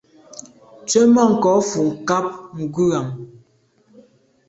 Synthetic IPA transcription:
t͡ʃe˦mɔ˦˨ŋ̩˨kɔ˨˦fu˨ŋ̩˨ka˦p̚ŋ̩˨ɡʉ˦a˨m

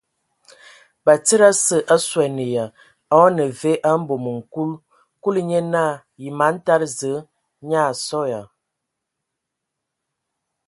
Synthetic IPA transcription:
ba˨tə˦ɾa˦sə˨ʔa˦swɛ˨nə˨ja˨ | a˦nə˨ve˦ʔa˦m̩˦bo˨mə˨ŋ̩˨ku˦l | ku˦lɲe˦na˦˨ | ji˨ma˨˦n̩˦ta˦ɾzə˨˦ | ɲa˦˨sɔ˦ja˨

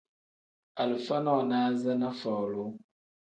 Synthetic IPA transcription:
a˨lfa˦nɔ˦˨naː˦za˦na˦fɔ˨lo˦

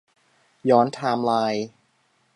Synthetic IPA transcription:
jɔː˦˥nt̪ʰaː˧mlaː˧j

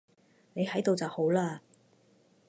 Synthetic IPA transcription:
ne˨˧jhɐ˨˥jt̪o˨wt͡sɐ˨who˨˥wlaː˥

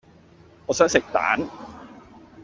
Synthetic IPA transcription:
ɔ˨sa˦˥nse˨˩k̚t̪a̰ː˩˦˥n

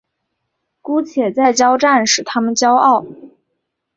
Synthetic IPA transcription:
ku˥t͡ɕʰjɛ˨˩t͡sa˥˩ɪt͡ɕjɑ˥ʊʈ͡ʂa˥˩nʂɻ̩˨˩t̪ʰa˥mə˨nt͡ɕjɑ˥ʊʔɑ˥˩ʊ

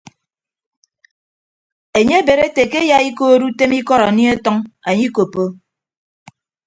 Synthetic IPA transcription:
e˨ɲe˦be˨ɾe˦te˨ke˦ja˦i˦ko˦ɾu˦te˦mi˦kɔ˦ɾa˨ni˦e˦tɔ˦ŋa˨ɲi˦ko˨po˦

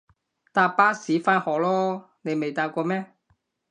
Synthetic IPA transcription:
t̪aː˧˥paː˥siː˨˥faː˥nhɔː˨k̚lɔː˥ | ne˨˧jme˨jt̪aː˧kʷɔː˧mɛː˥

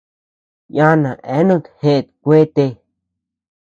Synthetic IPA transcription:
jã˦nã˨ʔe˨˦nũ˦˧t̪hẽ˧˨t̪kʷe˦t̪e˧

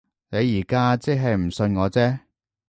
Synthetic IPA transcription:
ne˨˧jːiː˨˩kaː˥t͡sɪ˥ɦɐ˨jm̩˨˩sɵ˧nŋɔː˨˧t͡sɛː˥

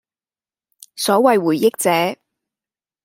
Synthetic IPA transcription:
sɔː˨˥wɐ˨jwuː˨˩jːɪ˥k̚t͡sɛː˨˥

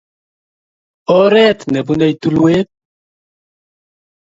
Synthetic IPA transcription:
ɔ˦ɾɛ˦t̪nɛ˨bunɛ˦jt̪u˦lweː˦t̪̚

